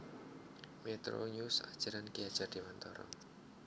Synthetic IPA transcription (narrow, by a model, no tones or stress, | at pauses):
met̪ɾo̰ɲusa̰d̥ʒ̥a̤ɾankiad̥ʒ̥ard̥iwant̪ɔɾɔ̰